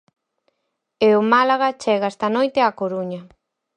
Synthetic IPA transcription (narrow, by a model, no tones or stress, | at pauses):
eʊmalaɣat͡ʃɛɣaest̪anojt̪eakoɾuɲa